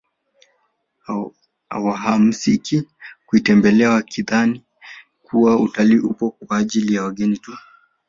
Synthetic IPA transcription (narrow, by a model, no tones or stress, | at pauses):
a̰waɦam̩sikikuitɛmbɛlɛawakʰiðani | kuwautaliːʔupɔkaːʄilijawaɠɛnitu